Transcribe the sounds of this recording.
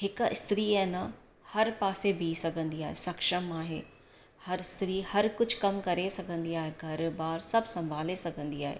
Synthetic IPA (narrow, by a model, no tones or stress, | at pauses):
ɦɪkɪ̰st̪ɾiːɐ̃nə | hɐɾpaːsebʱiːsɐɡʱə̃nd̪iaːɦesɐkʃəmaːɦeː | hɐɾɪst̪ɾiːhɐɾkʊd͡ʑʱkɐmkɐɾesɐɡʱə̃nd̪iaːɦeɡʱɐɾbaːɾsɐbʱsɐ̃mbʱaːlesɐɡʱə̃nd̪iaːɦḛː